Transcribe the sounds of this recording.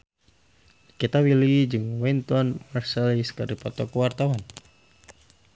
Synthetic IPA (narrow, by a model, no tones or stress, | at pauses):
kit̪awilid͡ʒɨŋwɛnt̪ɔnmarsaliskardipɔt̪ɔkuwart̪awan